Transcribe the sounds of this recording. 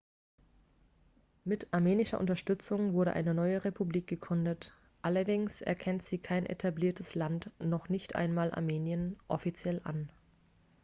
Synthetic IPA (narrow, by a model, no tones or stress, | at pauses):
mɪtʰaɐmeːnɪʃɐʔʊ̰ntɐʃtʏt͡sʊŋvʊɐɾə̰ʔa̰ɪnənɔʏəʁepʰubliːk̚ɡ̥əɡʁʏndət | ʔalɐdɪŋsʔɛ̰ɐkʰɛntz̥iːkʰaɪnʔḛtʰabliːɐtʰəslantnɔχnɪçtʔa̰ɪnmaːlʔa̰ɐmeːnjənʔɔfit͡sjɛlʔa̰n